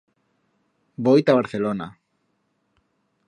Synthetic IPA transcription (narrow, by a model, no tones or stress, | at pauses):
bojt̪aβaɾθelona